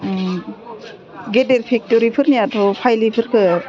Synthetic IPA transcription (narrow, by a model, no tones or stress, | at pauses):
ɡedeɾpʰik̚toɾipʰɯɾnijatʰɔpʰajlipʰɯɾkʰɯ